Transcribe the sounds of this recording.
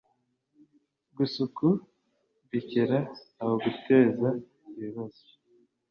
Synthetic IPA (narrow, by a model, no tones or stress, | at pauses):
ɡusuku | βiceɾaːβoɡute̞ːza | βiβazo̥